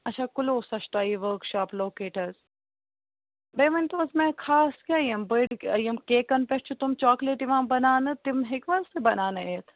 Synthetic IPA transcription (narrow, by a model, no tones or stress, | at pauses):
ɐʃʰaːkuloːsɐʃt̪aːiʋəɾkʃaːploːkeːʈɐɾz | beːʋɐnʲt̪oːzmɛ̃kʰaːskʲaːjimbəɖjimkeːkɐnpeʈt͡ʃʰut̪umt͡ʃaːkleʈiʋãːmbɐnaːnɨt̪imɦɪkʋɐlsɨbɐnaːnɨeːt̪ʰ